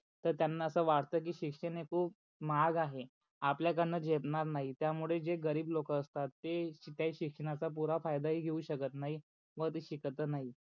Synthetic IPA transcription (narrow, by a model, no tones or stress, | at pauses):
t̪əɾt̪janːaəsəːʋaʈt̪əːk̬iːɕikʂənekʰuːp̚ | maɡaɦe | apljak̬əɾnəd͡ʑepɳaɾnaɦit̪jamuɭed͡ʑeɡəɾiːblokəəst̪at̪ːet̪jaɦiːɕikʂəɽ̃at͡sap̬uɾafajd̪aɦiːɡʱeuɕəkət̪naɦi | ʋət̪iɕikt̪ənaɦi